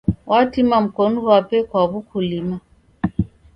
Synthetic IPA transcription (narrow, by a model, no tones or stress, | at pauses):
wʔatimam̩kɔnuwapɛkwaβukʰulima